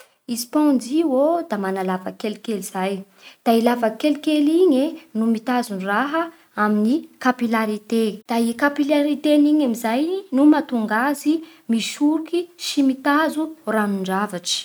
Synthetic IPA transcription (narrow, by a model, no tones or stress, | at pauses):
isi̥pɔ̃nd͡ziod̪amanalavakelikeliz̥aj | d̪̥ailavakelikeliɲenumit̪azunraɦə | aminikapilaɾit̪ed̪̥aikapilaɾit̪eniɲamizajnumat̪uŋɡazi | miʃuɾukiʃimit̪azuraniɳɖ͡ʐavaʈ͡ʂi̥